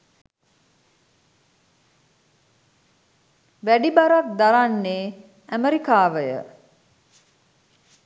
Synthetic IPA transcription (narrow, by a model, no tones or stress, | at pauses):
ʋæɖibaɾat̪̚d̪aɾanːeː | æməɾikaːʋəjə̰